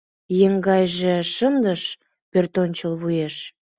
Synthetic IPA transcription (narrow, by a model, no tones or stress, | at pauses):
jeŋɡɑjʒĕʃənd̪əʃ | pørt̪onʲt͡ɕəlβujeʃ